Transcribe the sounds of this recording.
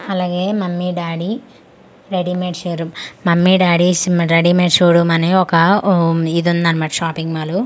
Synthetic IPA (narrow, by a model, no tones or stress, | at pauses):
ɐlaːɡeːmɐmːiɖaːɽi | ɾeɽimeɖʃuːɾummɐmːiɖaːɽisɾeɖimeːɖʃuːɽumɐneːɔkɐ | id̪und̪aːnimaːʈʃaːpiŋɡmaːlu